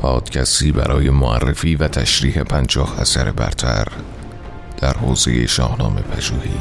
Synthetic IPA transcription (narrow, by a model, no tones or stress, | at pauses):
pʰɒːd̪̥cʰæst̪iːbæɾʔɒːje̞moæ̰rːefiːvæt̪ʰæʃɾiːhe̞pʰænd͡ʒɒːhæsæɾe̞bæ̰ɾt̪ʰæɾ | d̪̥æɾhoːze̞jeʃɒːhnɒːme̞pʰæʒuːhiː